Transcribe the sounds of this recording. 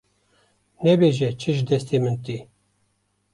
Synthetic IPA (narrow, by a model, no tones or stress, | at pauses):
nɛbeʒɛt͡ʃʰɨʒd̪ɛst̪emɨnt̪i